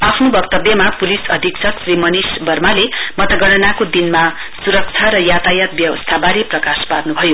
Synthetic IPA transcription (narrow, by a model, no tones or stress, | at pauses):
apʰnobʌkt̪ʌbjʌmapulisʌd̪ʱiksʰʌksrimʌnisbʌrmalemʌt̪ʌɡʌɽ̃ʌnakod̪inma | suɾʌk̚t͡sʰaɾʌjat̪ajat̪̚bjʌwʌ̰st̪ʰabaɾiprʌkasparnubʱʌjo